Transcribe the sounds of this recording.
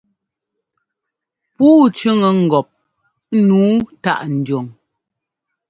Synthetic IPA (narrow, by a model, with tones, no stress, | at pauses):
puː˦t͡ʃʉ˦ŋə˨ŋ̩˨ɡɔ˨p̚ | nuː˨˦ta˦˨ʔn̩˨d͡ʒo˨ŋ